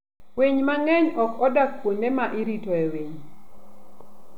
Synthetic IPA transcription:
weɲmaŋɛɲɔkɔdak̚poɲdemaʔiɾitɔeweɲ

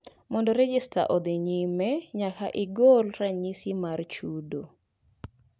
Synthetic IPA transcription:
mɔndɔɾɛd͡ʒɪsta̰ʔɔd̪eɲimɛɲakaʔɪɡolɾaɲisimart͡ʃudo

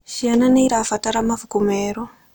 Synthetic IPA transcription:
ʃiananeiɾafataɾamavukumeːɾo

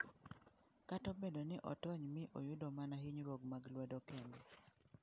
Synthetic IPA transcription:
katɔbedonɪʔɔtɔɲmɪʔo̰jʊdɔmanaɦɪɲɾoɡmaɡlwɛdɔkɛndɛ

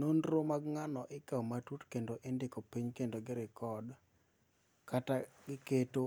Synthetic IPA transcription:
nonɾomaɡŋanɔʔɪkawmatutkendoʔɪndɪkopiɲkendoɡɪɾɪkɔd | kataɡɪketo

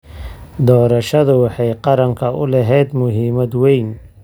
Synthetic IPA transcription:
d̪ɔːɾɐʃɐðʊwɑħɑjqɑɾɐŋkʰɐʔʊlɛɦɛjd̪mʊɦiːmɐd̪wɛjn

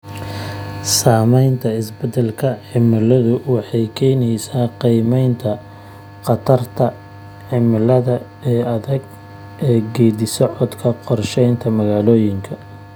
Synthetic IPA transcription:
saːmɛjnt̪ʰɐɪsbɛd̪ɛlkʰɐʕɪmɐlɐðʊwɑħɑjkʰɛːnɛjsaːqijmɛjnt̪ʰɐ | qɑt̪ʰɐrt̪ʰɐ | ʕɪmɪlɐðɐ | ɛːɐðɛɡ | ʔɛːɡɛːd̪ɪsɔʕɔd̪kʰɐqɔrʃɛjnt̪ʰɐmɐɣaːlɔːjɪŋkʰɐ

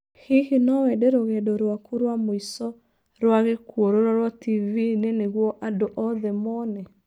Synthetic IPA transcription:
hihinɔwɛdeɾoɣɛdɔɾwakuɾwamoisɔ | ɾwaɣekwoɾoɾɔɾwativineneɣwɔʔandoʔɔðɛmɔnɛ

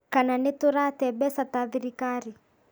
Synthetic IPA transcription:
kananɪtʊɾatɛbɛsataðiɾikaɾi

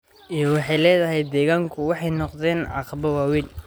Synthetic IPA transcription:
ʔijɞwɑħɑjlɛːðɐɦɛjd̪ɛːɣaːŋkʰʊwɑħɑjnɔqðɛːnʕɑqɑβɐwaːwil

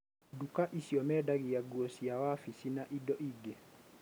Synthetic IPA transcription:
dukaʔisiɔmɛdaɣiaɡuɔsiawafisinaʔidɔʔiɡe

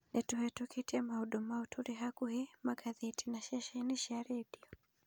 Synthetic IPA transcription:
nɛtuhɛtukʰitiɛmahuɗumautʰuɾiɦakuhɛmaɡaðɛtinaʃɛʃɛniʃaɾɛdiɔ

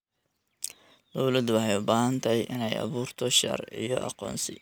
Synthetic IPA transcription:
d̪ɔwlɐd̪wɑħɑjʊbaːɦɐnt̪ʰɐɦɛjʔɪnɛjʔɑ̰βuːrt̪ʰɔʃɐ̰rḭjɔʔɑ̰qɔ̰ːnsɪ

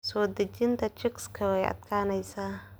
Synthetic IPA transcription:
sɔːd̪ɐd͡ʒɪnt̪ʰɐt͡ʃɪkskʰɐwɛjʔɐ̰d̪kʰaːnɛjsaː

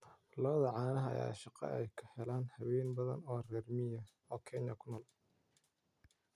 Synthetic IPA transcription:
lɐβɐðɐʕɑːnɐɦɐɐ̰ja̰ːʃɑqɛ̰ʔɛjkʰɐ̥hɛlaːnhɐβɛːnbɐðɐ̰nɔːrɛːrmɪjɐ | ɔːkʰɛnjɐkʰʊnɔːl

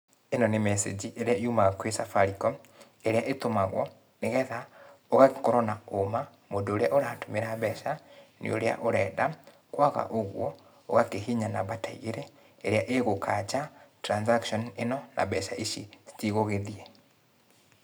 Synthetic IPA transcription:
enɔnemɛsḛd͡ʑiʔeɾeaiumaɣakwesafaɾikɔ | eɾeaʔetomaɣwɔ̰ | neɣɛðaoɣaɣkɔɾɔnaoma | moːndoːɾeaʔoɾaːtomeɾaβɛʃanḛo̰ɾea̰ʔoɾɛda | kwaɣa̰ʔoɣwɔ | oɣakeɦiɲanaβataiɣeɾɛ | eɾeaʔeɣokʰat͡ʃatɾansakʃɔnenɔna̰βɛʃaʔiʃisi̥tiɣoɣeðiɛ

